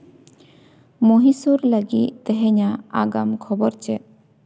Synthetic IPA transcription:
mɔɦisuɾləɡit̪̚t̪ɛɦɛɲaaɡamkʰɔbɔɾt͡ʃɛ

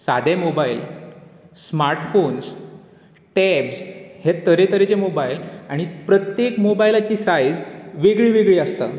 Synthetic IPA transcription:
sad̪emobail | smaɾʈfons | ʈɛbshet̪əɾet̪əɾet͡ɕemobailaɽ̃ipɾət̪jekmobailat͡ɕiːsajd͡zʋeɡɭiːʋeɡɭiːəst̪a̰

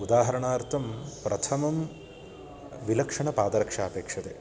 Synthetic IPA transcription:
ud̪aːɦɐɾɐɳaːɾt̪ʰɐmpɾɐt̪ʰɐmɐm | ʋilɐkʂɐɳɐpaːd̪ɐɾɐkʂaːpeːkʂɐt̪ḛː

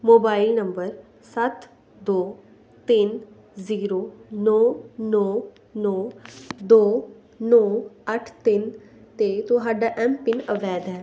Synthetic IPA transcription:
moːbaːilnəmbəɾ | sət̪ | d̪oː | t̪ɪn | ziːɾoːnɔːnɔː | nɔːd̪oː | nɔːəʈʰt̪ɪn | t̪eːt̪ʊɦaːɖaːʔɛ̃ːmpːɪnəʋɛːd̪ɦɛː

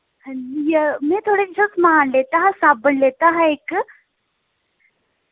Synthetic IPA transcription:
jəmit̪ʰoɽed͡ʑəsmaanlet̪əɦãsabəɳlet̪əɦaek

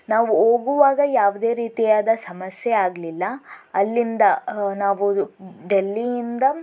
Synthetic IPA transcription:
naːʋuoːɡuʋaːɡɐjaːʋud̪e̞ːɾiːt̪ijaːd̪ɐsɐmɐsjeaːɡlilːɐɐlːind̪ɐnaːʋuɖelːiind̪ɐ

